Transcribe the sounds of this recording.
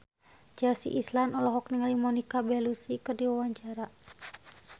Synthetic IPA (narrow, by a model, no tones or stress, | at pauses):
d͡ʒasḭʔislanɔlɔɦɔk̚niŋalimɔnikabɛlusikɨrdiwawaɲt͡ʃaɾa